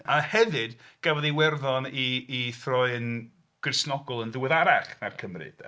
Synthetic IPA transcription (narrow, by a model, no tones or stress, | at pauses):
ahɛvɨd̥ɡ̥avɔðiwɛrðɔniːθrɔɨən | ɡ̥rɪsnɔɡɔlˠənðəwəðaɾaχnarkʰəmrɨ̰d̥